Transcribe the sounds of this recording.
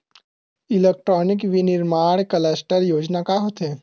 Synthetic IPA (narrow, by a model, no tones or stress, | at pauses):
ɪleːk̚ʈɾɔːnɪkʋinɪɾmaːɽ̃kəlesʈəɾjoːd͡ʒnakaɦoːt̪eː